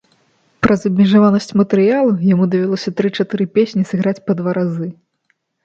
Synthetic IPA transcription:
pɾɐzɐbʲmʲɛʐavanɐsʲt͡sʲmɐt̪ɨɾɨjalˠujamud̪ɐvʲalˠɔsʲɐt̪ɾɨt͡ʂat̪ɨɾɨpʲesʲnʲisɨɣɾat͡sʲpɐd̪vaɾazɨ

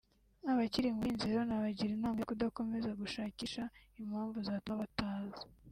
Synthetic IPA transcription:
aβaciɾiŋɡinziɾonaβaɟiɾinaːmikudako̞me̞zaɡuʃaːciʃaimhaːɱvuzaːtaβataːzi̥

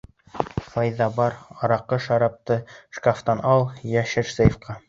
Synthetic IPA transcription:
fɑjðɑbɑɾɑɾɑqɤʃɑɾɑp̚t̪ɤʃkaft̪ɑnɑlˠjæʃɘɾsɤjefqɑ

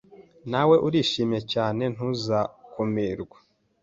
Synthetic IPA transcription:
nawe̞ʔuɾiːʃiːmje̞caːne̞n̥uzakumiːɾɡwa

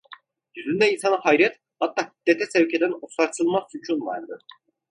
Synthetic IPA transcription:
jyzynd̪ɛinsanahajɾɛt̪ | hat̪ːaːhi̥d̪̥ːɛt̪ʰɛsɛwcʰed̪ænosaɾt̪ʰɯlˠmasut͡ʃʰunva̰ɾd̪ɯ

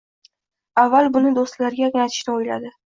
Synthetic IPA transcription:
avːalbʊnɪd̪ost̪laɾɡʲanat̪ʰɪ̥ʃnɪojla̰d̪ɪ

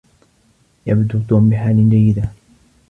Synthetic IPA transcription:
jabd̪ut̪uːmbɪħaːlɪnd͡ʒajːɪd̪a

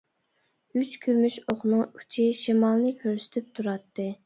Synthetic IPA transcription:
yt͡ʃkʲʰyɾmyʃoχnɨŋy̥t͡ʃʰiʃimɑlˠnɨkʲʰøɾsy̥t̪ʰɪp̚t̪ʰuɾɑt̪ʰːɨ

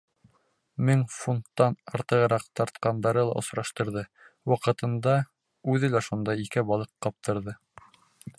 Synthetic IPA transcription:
mɘŋfunt̪ːɑnɑɾt̪ɤ̆ʁɤ̆ɾɑqt̪ɑɾt̪̚qɑnd̪ɑɾɤlˠɑ̰ʔŏsɾɑʃt̪ɤ̆ɾðɤ | wɑqɤ̆t̪ɤ̆nd̪ɑ | ʉðɘlæʃund̪ɑikɘbɑlˠɤqːɑp̚t̪ɤ̆ɾðɤ

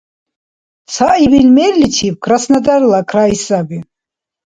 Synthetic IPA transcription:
saʔibilmɛrlit͡ʃʰip̚kʰrasnad̪arlakʰraisabi

